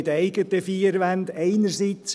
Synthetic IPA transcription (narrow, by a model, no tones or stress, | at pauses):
ɪd̪ɛɪɡət̪əfiːɾʋænd̪ɛɪnəɾsit͡s